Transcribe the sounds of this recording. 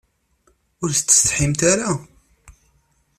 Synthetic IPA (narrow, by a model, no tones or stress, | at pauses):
ʊɾθət͡s̪ːə̥st̪ħimt̪aɾa